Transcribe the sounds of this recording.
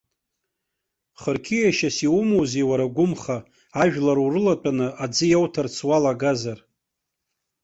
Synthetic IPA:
χərkʲʰijaʃasiwumowzewaɾaɡʷʊmχa | aʒᶣlaɾuɾɨlatʼanɨʔad͡zɨjawtʰart͡sʰwalaɡazar

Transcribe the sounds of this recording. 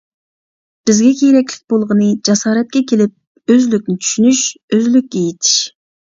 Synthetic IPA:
b̥ɪzɡʲɛkʲʰejɾɛkʲlɪ̥k̚ʲbolˠʁənɨd͡ʒɑsɑːɾɛt̪̚kʲɛkʲelɪp̚ | øzlyk̚ʲnɪt͡ʃ̪ʰy̥ʃynyʃøzlyk̚ʲːejet̪ʰi̥ʃ

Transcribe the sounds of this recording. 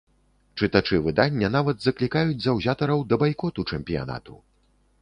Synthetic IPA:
t͡ʂɨt̪at͡ʂɨvɨd̪anʲːɐnavɐd̪zɐklʲikajud͡zʲzɐwzʲat̪ɐɾɐwd̪ɐbajkɔt̪ut͡ʂɛmpʲija̰na̰t̪u

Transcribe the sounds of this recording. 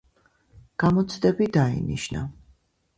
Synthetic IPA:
ɡ̥amɔt̪sʰd̪ɛbid̪aḭnḭʃna̰

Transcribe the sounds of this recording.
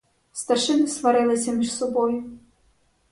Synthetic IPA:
st̪ɐʃɪnɪsʋɐɾɪlˠɪsʲɐmʲiʃsɔbɔjʊ

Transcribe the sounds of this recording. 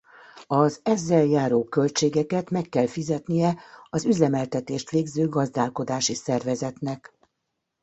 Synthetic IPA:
ɒzɛzːɛljaːɾoːkø̞lt͡ʃeːɡɛkɛt̪mɛkːɛlfizɛt̪nijɛɒzyzɛmɛlt̪ɛt̪eːʃt̪ʋeːɡzøːɡɒzd̪aːlko̞d̪aːʃisɛrvɛzɛt̪nɛk

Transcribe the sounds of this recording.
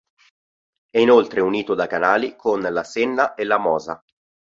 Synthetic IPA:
ɛinolt̪ɾeuniːt̪od̪akanaːlikʰonlasenːaʔelamɔːza̰

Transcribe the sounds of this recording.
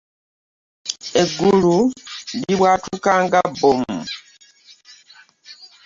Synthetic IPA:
eɡulundiβwaːtukaːŋɡabomu

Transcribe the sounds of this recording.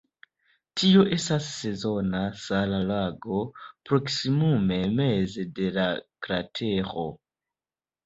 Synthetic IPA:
tʰio̞ʔe̞stasːe̞zo̞nasalalaɡo̞pɾo̞ksimume̞mezede̞lakɾatʰe̞ɾo̰

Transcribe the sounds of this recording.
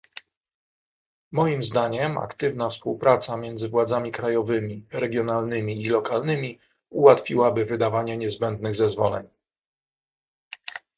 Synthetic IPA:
mɔjimzd̪aɲɛma̰kt̪ɘvnafspuwpɾat̪samʲjɛnd̪zɘvwad̪zamʲikɾajɔvɘmʲiɾɛɡʲjɔnalnɘmʲiːlɔkalnɘmʲi | uwat̪fʲiwabɘvɘd̪avaɲɛɲɛzbɛnd̪nɘɣzɛzvɔlɛ̰ɲ

